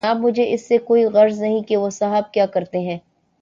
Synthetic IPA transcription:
aːb̚mʊd͡ʒʱeʔɪsːekoːiɣɐɾznɐɦĩkeʋosɐɦəb̚kjaːkɐɾt̪eɦɛ̃ː

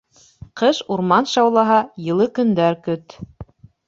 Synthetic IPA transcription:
qɤʃuɾmɑnʃɑwlˠɑɦɑjɤ̆lˠɤkɵ̆nd̪æɾkɵt̪

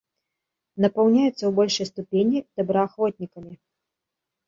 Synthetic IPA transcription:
nɐpɐwnʲajɛt̪sːɐwbɔlʲʂɐjst̪upʲenʲid̪̥ɐbɾɐaxvɔt̪ʲnʲikɐmʲi

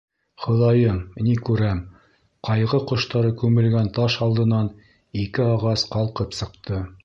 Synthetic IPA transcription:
χŏðɑjɤmnikʉɾæm | qɑjʁɤqŏʃt̪ɑɾɤkʉmɘ̆lɡænt̪ɑʃɑlˠd̪ɤ̆nɑn | ikɘɑʁɑsqɑlˠqɤpsɤ̆qt̪ʰɤ

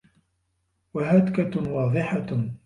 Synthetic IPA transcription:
waɦad̪kawɑːðˤɪħa

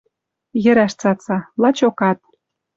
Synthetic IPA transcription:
jə̆ɾæʃt͡sɑt͡sɑlɑt͡ɕokɑt̪̚

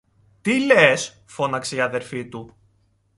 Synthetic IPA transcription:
t̪iles | fo̞nɐkseiɐðe̞ɾfit̪u

